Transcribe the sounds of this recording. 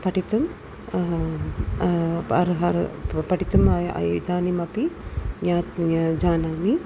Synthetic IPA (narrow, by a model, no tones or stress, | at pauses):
pɐʈit̪um | ɐɾɦɐɾpɐʈit̪umɐ̰jid̪aːnimɐpiɲaːt̪d͡ʒaːnaːmi